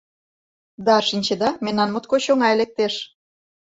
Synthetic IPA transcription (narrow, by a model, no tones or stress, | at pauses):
d̪ɑʃinʲt͡ɕed̪ɑmenːɑnmot̪koɕoŋɑelek̚t̪eʃ